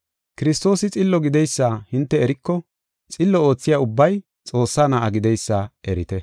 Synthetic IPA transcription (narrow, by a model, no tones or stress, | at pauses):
kɪɾɪst̪o̞ːsɪt͡sʼɪlːɔɡɪd̪ɛjsːaːhɪnt̪ːɛɛɾɪkːɔ | t͡sʼɪlːɔo̞ːt͡sːɪjaʊbːɐj | t͡sʼo̞ːsːaːnaʔɐɡɪd̪ɛjsːaɛɾɪt̪ɛ